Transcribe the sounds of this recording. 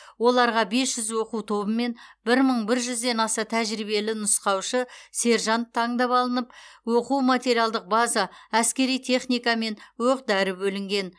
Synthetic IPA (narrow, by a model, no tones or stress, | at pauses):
wo̞lˠɑɾʁɑbe̞sʒ̥ʏzwo̞quwt̪ʰo̞bəme̞nbɪɾməɴbɪɾʒʏzd̪e̞nɑsɑt̪ʰæʒɾiβe̞lɪnʊsqɑwʃəse̞ɾʒɑnt̪ʰːɑɴd̪ɑpɑlˠənəp̚wo̞quwmat̪ʲe̞ɾijalˠd̪əq̚bazɑæskʲe̞ɾijt̪ʲʰe̞χnijkɑme̞nwoqd̪æɾəbɵlɪŋɡʲe̞n